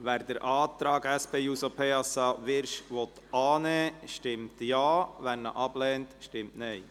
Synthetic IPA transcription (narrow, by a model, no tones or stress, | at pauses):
ʋæːɾd̥̪əɾʔɑːt̪ɾɑːɡɛspʰeːjusopʰeːɑsɑʋɪɾʃʋɔt̪ɑːnɛːʃtɪmt̪jɑːʋænnːə̰ʔɑb̥lɛːnt̪ʃtɪmtnɛɪ